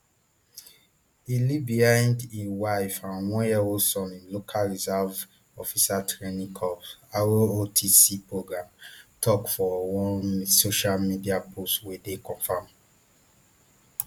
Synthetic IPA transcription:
ilibiãndĩwaɪfãnwɔ̃ɛwosɔ̃nĩnlokʰalɹizav | ɔfisatʰɹenĩŋkʰɔpaootʰisipɹoɡɹãmtʰɔkfɔwɔ̃soʃalmidiapʰostwedekɔ̃nfãm

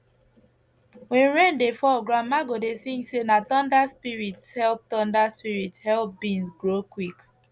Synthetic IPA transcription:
wɛ̃nɹɛ̃ndefɔɡɹãmːaɡodesĩŋsenatɔ̃ndaspiɹitshɛlp̚tɔ̃ndaspiɹitshɛlp̚bĩnsɡɹokwik

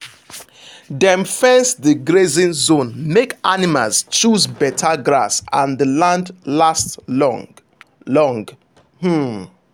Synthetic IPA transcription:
dɛ̃mfɛsðəɡɹezĩnzõnmekʔanimalzt͡ʃuzbɛtʰaɡɹa̰sãnðəlãndlastlɔ̰̃ | lɔ̃ŋɡ | h̩

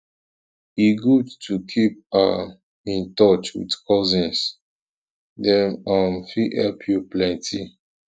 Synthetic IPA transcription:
iɡudtʰukʰip̚a̰ | ĩntɔt͡ʃwḭdkʰɔzĩns | dɛnamfihɛ̰lpʰjuplɛ̃ntʰi

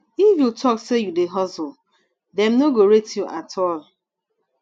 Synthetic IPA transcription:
ifjutʰɔksejudeɦɔzʊ | dɛmnoɡoɾetjuʔatʰɔl

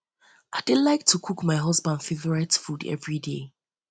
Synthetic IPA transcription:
aɪdɪlaɪk̚tʰukʰukmaɪɦɔzbãndfevəɹatfudɛ̰vɹide

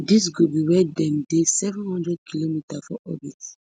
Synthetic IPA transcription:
dis̬ɡobiwɛdɛ̃mdesɛvɛ̃nhɔ̃ndɹɛd̚kʰilomitafɔʔɔbit

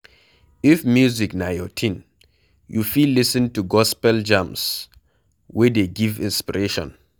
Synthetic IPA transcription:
ifmjuziknajɔtʰĩn | jufilːisĩntuɡɔspɛld͡ʒãms | wɛdeɡivḭ̃nspiɹeʃɔ̰̃n

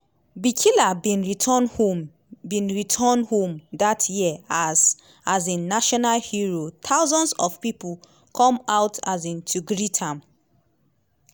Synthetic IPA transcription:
bikʰilabĩnɹitʰɔnho | bĩnɹitʰɔnhõmdatʰjiaz | azĩnːaʃɔnalhiɹot̪ʰaʊzɔ̃nsɔ̰v̥pipu | kʰɔ̃maʊtʰazĩntʰuɡɹitʰãm

